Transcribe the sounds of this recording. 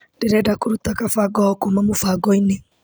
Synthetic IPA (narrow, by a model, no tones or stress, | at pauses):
ndeɾɛdakoɾutakafaɡɔhɔkomamofaɡɔine